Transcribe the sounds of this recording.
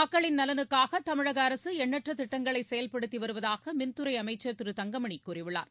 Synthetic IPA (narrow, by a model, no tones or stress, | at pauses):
ɐkːɐɭɪnnɐlɐnɯkːaːɣɐt̪ɐmɪɻɐɣɐːɾɐsɯɛɳːɐʈrɐt̪ːɪʈːɐŋɡɐɭɐɪsɛjɐlpɐɽɯt̪ːiʋɐɾɯʋɐðaːɣɐmɪnt̪ɯɾɐɪɐmɐɪt͡ʃːɐɾt̪ɪɾɯt̪ɐŋɡɐmɐɳikːurɪʋɯɭa̰ːɾ